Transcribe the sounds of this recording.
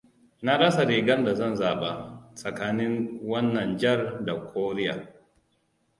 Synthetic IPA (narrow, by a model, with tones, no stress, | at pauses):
na˦ɽɐ˦sa˨ɾeː˨ɡɐ˦nda˨zɐ˦˨nzaː˨ɓa˨sʼɐ˨kaː˦nɪ˦ŋwɐ˦nːɐ˨nd͡ʒɐ˦rda˨kʷʰoː˦ɾɪ˦ja̰ː˨